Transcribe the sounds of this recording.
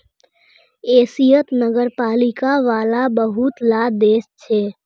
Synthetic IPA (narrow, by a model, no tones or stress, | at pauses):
eːsijət̪nəɡəɾpaːlikaʋaːlabəɦut̪lad̪eːst͡ʃʰɛː